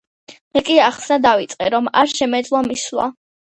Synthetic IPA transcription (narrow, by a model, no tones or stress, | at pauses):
mɛkʼiaχsnad̪avit̪sʼqʼɛɾɔmaɾʃɛmɛd̪zlˠamisla̰